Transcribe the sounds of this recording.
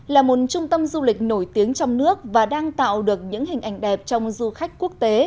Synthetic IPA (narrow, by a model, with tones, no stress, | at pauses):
laː˨˩mo˨˩t̚t͡ɕʊ˧ŋ͡mt̪ə˧mzu˧lï˨˩k̟̚no˧˩jt̪i˨˦əŋt͡ɕɔ˧wŋ͡mnɨ˦˥ək̚vaː˨˩ɗaː˧ŋt̪a̰ː˧˨wɗɨ˨˩ək̚ɲɨ̰˧˥ŋɦï˨˩ŋ̟ʔa˧˩jŋ̟ɗɛ˨˩p̚t͡ɕɔ˧wŋ͡mzu˧xa˦˥jk̟̚ku˦˥ək̚t̪e˨˦